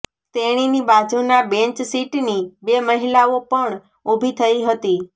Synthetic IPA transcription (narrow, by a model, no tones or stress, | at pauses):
t̪eɽ̃inibad͡ʒunabẽɲt͡ʃsiʈnibeməɦilaopəɳ | ubʱit̪ʰəiɦət̪i